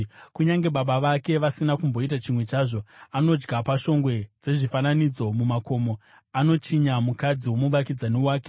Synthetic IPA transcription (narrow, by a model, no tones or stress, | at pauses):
kuɲaŋɡe̞ɓaɓaʋake̞ʋasinakumbo̞it̬at͡ʃimwe̞t͡ʃaːʐo̞ano̞d͡ʒɡapaʃo̞ŋɡwe̞d͡ze̞ʐifananid͡zo̞mumako̞mo̞ | ano̞t͡ʃiɲamukad͡ziwo̞muʋakid͡zanewaːke̞